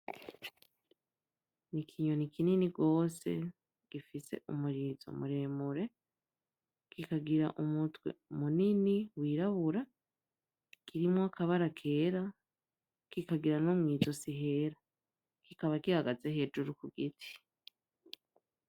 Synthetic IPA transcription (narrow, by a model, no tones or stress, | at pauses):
nikʰiːɲo̞nikininiɡo̞ːse̞̰ | ɡ̥ifise̞̰ṵmuɾizo̞̰muɾe̞ːmuɾe̞ | kikaɡiɾaʔumutwe̞̰umuniniwiːɾaβuɾa | kiɾimwaakʰaβaɾakʰe̞ːɾa | kikaɡiɾanomŋiːzo̞siɦe̞ɾa | kikaβakihaɡaze̞he̞d͡ʒuɾukuɡitʰi̥